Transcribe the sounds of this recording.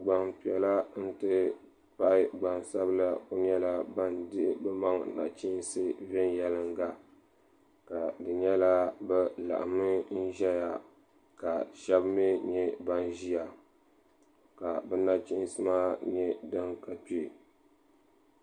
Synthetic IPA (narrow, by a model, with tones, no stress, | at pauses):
ɡ͡ba˨ŋpi˨ɛ˨la˦n̩˦tɨ˦ | pa˦ɪ˦ɡ͡ba˨ŋsa˦bla˦o˦ɲɛ˦la˦ba˦ndɨ˦bɛ˦ma˦ŋna̰˨t͡ʃi˦n˦sɨ˦vɛ˦n˦jɛ˦lɨ˦ŋɡa˦ | ka˨dɨ˨ɲɛ˦la˦bɛ˦la̰˨ʔa̰˨mɨ˦n̩˦ʒɛ˦ja˨ | ka˨ʃɛ˦bmi˦ɲɛ˦ba˦nʒi˦ja˨ | ka˨bɛ˦na˦t͡ʃi˦sɨ˦maː˦ɲɛ˦dɨ˦ŋka˨pi˦˨